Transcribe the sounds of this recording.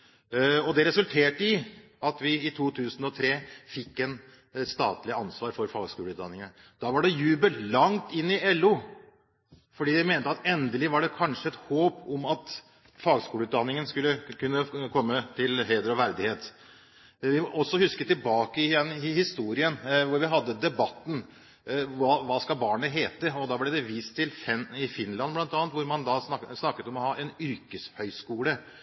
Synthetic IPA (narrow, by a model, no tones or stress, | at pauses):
ɔd̪ɛɾɛsʉlt̪ʰeːʈɪ | ɑt̪ʋɪɪt̪ʰuːt̪ʰʉːsən̩ɔt̪ʰɾeːfɪkːɛn | st̪ɑ̰ːt̪lɪəɑnsʋɑːɾfɔɾfɑːɡskuːlʉːt̪d̪ɑ̰nːɪŋən | d̪̥ɑːʋɑɖɛjʉːbəllɑŋt̪ɪnːɪʔɛlːʉ | fɔɖiːd̪ɛmeːnət̪əɑt̪ɛnd̪əlɪʋɑɖɛkʰɑnʂəɛt̪hoːpɔmɑt̪ | fɑːɡskuːəʉːt̪d̪ɑnːɪŋənskʉlːəkʉnːəkʰɔmːət̪ʰɪlheːd̪əɾɔʋæɾd̪ɪheːt̪ | ʋɪɔsːɔhʉskət̪ɪlbɑːkəɪjɛnːɪhɪst̪uːɾɪənʋʊɾʋɪɦɑd̪ːəd̪ɛbɑt̪ːn̩ | ʋɑʋɑːskɑbɑːɳəɦeːt̪əɔd̪ɑblɛd̪ɛʋiːst̪ʰːɪlɛnɪfɪnːlɑnblɑnɑːnt̪ʋʊɾmɑnd̪ɑsnɑkːət̪ɔmɔhɑːʔɛnʏɾkəshœʏskuːlə